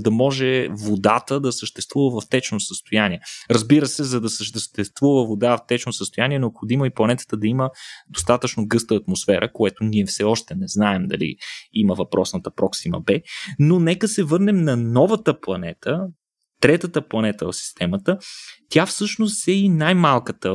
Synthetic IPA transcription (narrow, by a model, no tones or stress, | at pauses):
d̪ɐmɔʒɛvod̪at̪əd̪ɐsəʃt̪ɛst̪vuvəvɐft̪ɛt͡ʃnosəst̪ojaniɛɾəzbiɾəsɛzɐd̪ɐsəʃt̪əʃt̪ɛst̪vuvəvod̪aft̪ɛt͡ʃnosəst̪ojaniɛnɛopxod̪imoiplˠɐnɛt̪ə̥t̪əd̪ɐiməd̪ost̪at̪ət͡ʃnoɡɤst̪əːt̪mosfɛɾʔəkoɛt̪oniɛfsɛɔʃt̪ɛnɛznaɛmd̪ɐ̰lḭiməvɐpɾɔsnət̪əpɾɔksimə̰bɛnonɛkəsɛvɤɾnɛmnɐnɔvət̪əplˠɐnɛt̪ə | t̪ɾɛt̪ət̪əplˠɐnɛt̪əosi̥st̪ɛmət̪ət̪ʲjafsɤʃnost̪ɛinajmalˠkət̪ə